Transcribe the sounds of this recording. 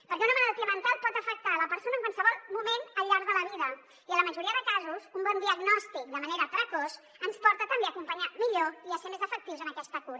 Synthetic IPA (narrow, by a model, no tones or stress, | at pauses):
pəɾkɛunəməneɾut̪imənt̪alˠpɔt̪əfək̚t̪aːləpəɾsonəŋkwalˠsəβɔlˠmumenəʎˠːaɾðələβiðə | iənləməʒuɾiəðəkazuzumbɔnd̪iəɡnɔst̪ik̚d̪əməneɾət̪ɾəkɔz | ənspɔɾt̪ət̪əmbeəkumpəɲamiʎoiəseɾmezəfək̚t̪iwzənəkɛst̪əkuɾ